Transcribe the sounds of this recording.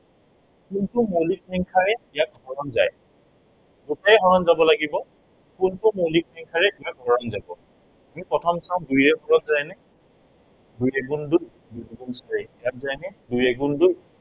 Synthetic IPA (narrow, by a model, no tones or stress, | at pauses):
kuntʊmolikiŋkʰaɹɛijakhɔɹɔnza̰j | kotajɦɔɹɔnzabɔlaɡibɔ | kʊntʊmolik̚ɛŋkʰaɹɛijak̚ɦɔɹɔnzabɔ | amipɹɔtʰɔmsãʊ̃dujɛbʰɔɹɔtzajnɛ | dujɛɡunduɹ | dudɡunsaɹɛijak̚zajnɛdujɛɡunduɹ